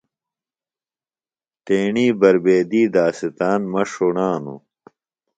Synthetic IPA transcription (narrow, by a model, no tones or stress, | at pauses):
t̪eːɳiːbɐɾbeːd̪iːd̪aːsit̪aːnmɐʂoɳaːnṵ